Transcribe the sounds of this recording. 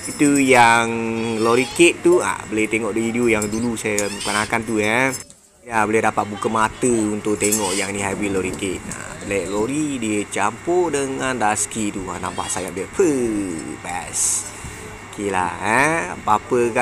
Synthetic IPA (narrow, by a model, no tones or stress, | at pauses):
it̪ujaŋloɾiket̪t̪ːua̰bəlɛt̪eŋɔʔdoidiojaŋdulusajaməkanakant̪̬uja | jaboliadapat̪̚bukamat̪əunt̪ʊʔ̚t̪eŋɔʔjaŋniɦabiloɾiket̪̚na̰lɛʔloɾidiət͡ʃampɔʔdəŋanraskit̪ua̰nampa̰hsajaʔbapʰəbɛs | kela̰həa̰papəka